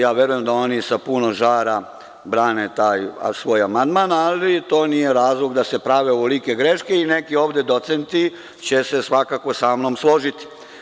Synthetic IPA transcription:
jaːʋje̞ɾuje̞md̪ao̞nisapunoʒaːɾa | bɾaːnet̪aːj̰sʋo̞ːjamand̪manalit̪o̞ːnije̞ɾaːzlˠoɡd̪ase̞pɾaʋeoʋolikeɡɾe̞ʃkeine̞kio̞ːʋd̪e̞d̪o̞t̪sent̪i | t͡ɕe̞se̞sʋakaːkʋo̞saːmnomslˠo̞ʒit̪i̥

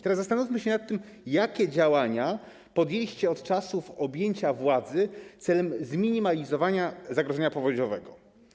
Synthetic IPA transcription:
t̪ɛɾaszːast̪anufʲmɘɕɛnat̪ːɘm | jakʲɛd͡ʑawaɲa | pɔd̪jelʲiɕt͡ɕɛɔt̪t͡ʂasufɔbʲjeɲt͡ɕavwad̪zɘt̪sɛlɛmzmʲiɲimalʲizɔvaɲazaɡɾɔʐɛɲapɔvɔd͡ʑɔvɛɡɔ

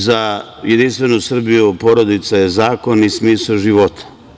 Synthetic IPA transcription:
zajed̪inst̪ʋenusr̩bijupo̞ɾod̪it̪sajezaːko̞nismiːsaʒiʋot̪ʰḁ

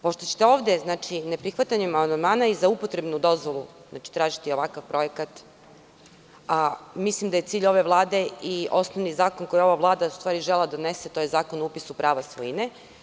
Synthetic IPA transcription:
po̞ʃt̪ot͡ɕe̥t̪e̞o̞ːʋd̪e̞znaːt͡ʃinepɾixʋat̪aɲemamannd̪maːnaizaupo̞t̪ɾe̞bnud̪o̞zʋo̞lˠu | zna̰ːt͡ʃi̥t̪ɾaːʒit̪io̞ʋakaʋpɾo̞jekat̪ | amislimd̪aje̞t̪siːʎo̞ʋe̞ʋlˠaːd̪e̞io̞snoʋnizaːko̞nko̞jo̞ʋaʋlˠaːd̪aust̪ʋaːɾiʒelad̪one̞se̞t̪oːjezaːkonupisupɾaːʋasʋojine

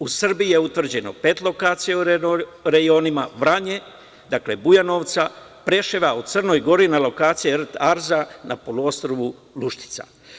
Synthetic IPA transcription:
usr̩bije̞ut̪ʋr̩d͡ʑe̞no̞̰pet̪lˠo̞kaːt̪sijeuɾɾeɡjioːnimaʋɾaɲe̞ | d̪akle̞bujano̞ʋt̪sa | pɾe̞ʃeʋaut̪srno̞jɡo̞ɾinalo̞kaːt̪sijert̪aɾzanʔa̰po̞luo̞st̪ɾoʋu | luʃt̪i̥t̪sa̰

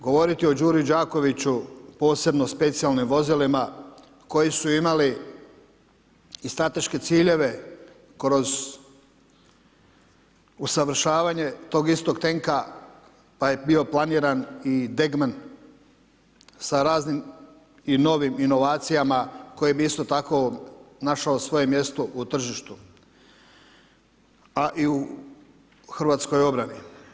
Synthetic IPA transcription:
ɡo̞ʋo̞ɾit̪io̞d͡ʑuːɾijd͡ʒaːko̞ʋit͡ɕupo̞ːse̞bno̞spe̞t̪sijalˠnimʋo̞zilima | ko̞jisuimali | st̪ɾat̪e̞ʃke̞t̪siːʎe̞ʋe̞ | kɾo̞z | usaʋɾ̩ʃaːʋaːɲe̞t̪o̞ːɡist̪o̞ɡt̪e̞ŋka | paje̞bio̞plˠaniɾanid̪e̞ɡman | saɾaːznim | ino̞ʋimino̞ʋaːt̪sijamako̞jebiist̪o̞t̪ako̞naʃaosʋo̞je̞mje̞st̪oʔut̪r̩ʒiʃt̪u | aʔiu | xr̩ʋaːt̪sko̞jo̞bɾani

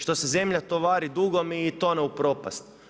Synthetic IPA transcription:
ʃt̪o̞seze̞mʎat̪oʋaːɾid̪uɡomiːt̪oneupɾoːpa̰st̪

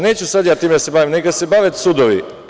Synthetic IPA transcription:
nɛt͡ʃusat̪jat̪imd̪asɛbavimnɛkasɛbavɛt̪sud̪ovḭ

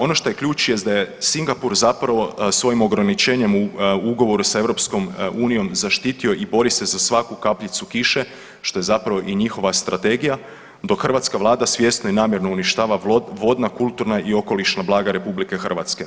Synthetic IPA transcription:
o̞no̞ʃt̪o̞jekʎuːt͡ʃjest̪d̪aje̞siŋɡapuɾzapɾaʋo̞sʋo̞jimo̞ɡɾanit͡ʃe̞ːɲe̞muuɡo̞ʋo̞ɾusae̞ʋvɾo̞psko̞muːnijo̞mzaʃt̪iːt̪io̞ʔibo̞ɾise̞zasʋakukapʎit̪sukiʃe̞ | ʃt̪o̞jezapɾaʋo̞ʔiɲixo̞ʋast̪ɾat̪e̞ɡija | d̪o̞kxrʋat̪skaʋlˠaːd̪asʋje̞st̪noinaːmje̞ɾno̞uniʃt̪aːʋaʋo̞d̪nakulˠt̪uɾnaʔio̞ko̞liʃnablˠaːɡaɾe̞publike̞xr̩ʋat̪ske̞

